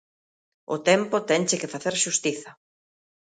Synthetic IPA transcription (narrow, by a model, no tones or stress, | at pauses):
ʊ̰t̪ɛmpʊt̪ɛnt͡ʃɪkɪfaθeɾʃust̪iθɐ